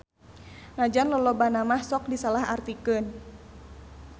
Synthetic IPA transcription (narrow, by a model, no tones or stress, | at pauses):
nad͡ʒanlɔlɔbanamahsɔk̚disalaha̰rt̪ikɨn